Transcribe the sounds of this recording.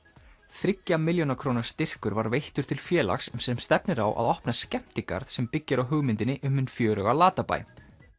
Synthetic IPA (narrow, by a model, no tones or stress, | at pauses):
θɾɪcːamɪljownakʰɾoːwnaɾ̥st̪ɪr̥kʏɾvaɾvejht̪ʏɾt̪ʰɪlfjɛːla̰xssɛmst̪ɛpnɪɾawʔa̰ðɔhpnascɛm̥t̪ɪka̰ɾðsɛmpɪcːɪɾawɦʏɣmɪnt̪ɪnɪʔʏmʏnfjœːɾœɣalaːt̪apa̰j